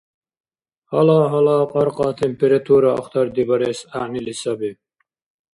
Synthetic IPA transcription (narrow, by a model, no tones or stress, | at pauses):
hɔlaːɦɔlaːqʼɔɾqʼɑt̪ʰɛmpʰɛɾat̪ʰuɾaɔ̰χt̪ʰaɾd̪ibaɾɛsaʕnilisabi